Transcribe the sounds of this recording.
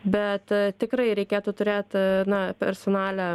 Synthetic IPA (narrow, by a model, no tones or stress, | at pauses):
bʲɛt̪t̪ʲɪkɾɐɪɾʲɛɪkʲeːt̪ʊt̪ʊɾʲeːt̪ʲnɐpʲɛ̰ɾsonɑːlʲæ